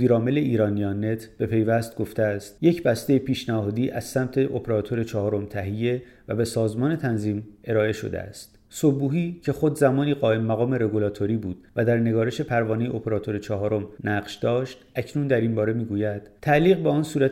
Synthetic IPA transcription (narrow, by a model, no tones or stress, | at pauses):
iːɾɒːme̞le̞iːɾɒːniɒːnːe̞t̪ʰb̥e̞pʰe̞jvæst̪̚ɡo̞ft̪eæst̪je̞cʰbæst̪e̞jepʰiːʃnæhɒːd̪iːʔæz̥sæmt̪ʰe̞ʔopʰeɾɒːt̪ʰo̞ɾe̞t͡ʃʰɒɦɒːɾo̞mt̪ʰæɦijːe | væbe̞sɒːzmɒːne̞t̪ʰænziːme̞ɾɒːe̞ʃo̰d̪ḛæ̰st̪ | sobuːɦiːcʰe̞xo̞d̪zæmɒːniːɢɒːemːæɣɒːme̞ɾe̞ɡulɒːt̪ʰoɾiːbuːd̪̥væd̪æɾne̞ɡɒːɾeʃe̞pʰæɾvɒːnejeopʰeɾɒːt̪ʰo̞ɾe̞t͡ʃʰɒɦɒːɾo̞mnæɢʃd̪ɒːʃt̪æcʰnuːnd̪æɾimbɒːɾe̞miːɡuːjæd̪̥t̪ʰːæliːɣbeɒːnsuːɾæ